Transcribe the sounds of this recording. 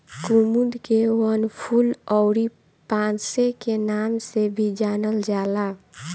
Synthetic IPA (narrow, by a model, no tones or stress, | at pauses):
kumud̪kewənpʰulɔʊɾi | pãnsekenamsebʱid͡ʒanəld͡ʒala